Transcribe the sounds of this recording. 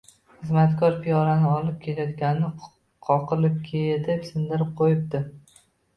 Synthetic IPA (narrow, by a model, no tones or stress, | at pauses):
χɨzmat̪kʰʲɒɾpʰijɒɾanɪɒlˠɪp̚kʲʰelajɒt̪ɡʲannɪ | qʰɒqʰɨlɪp̚kʲʰed̪epsɪnd̪ɪɾɪp̚qʰojɪp̚d̪ɪ